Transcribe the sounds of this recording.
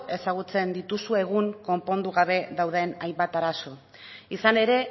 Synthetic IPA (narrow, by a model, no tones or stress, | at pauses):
e̞saɣ̞ut͡se̞nd̪it̪usue̞ɣ̞uŋko̞mpo̞nd̪uɣaβ̞e̞ðawðe̞najmbat̪aɾaso̞ | isane̞ɾe̞